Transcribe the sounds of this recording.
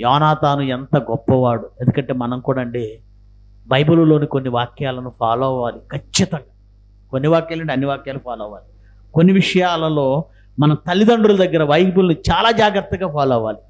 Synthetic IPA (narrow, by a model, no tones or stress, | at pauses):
jɔːnaːt̪aːnuent̪ɐɡɔpːɐʋaːɽue̞nd̪ukɐɳʈe̞ːmɐnɐmkuːɽaːɳɖeː | bɐjbululo̞ːnikonːiʋaːkjaːlɐnupʰaːlɔʋaːlikʰɐt͡ʃːit̪ɐŋɡaː | konːiʋaːkjaːleɳʈiɐnːiʋaːkjaːlupaːlɔːʋaːli | konːiʋiʂɐjaːlɐlo̞ː | mɐnɐt̪ɐlːid̪ɐɳɖulud̪ɐɡːɐɾɐʋɐjbulnit͡ʃaːlaːd͡ʒaːɡɾɐt̪ːɐɡaːpaːlɔːʋaːli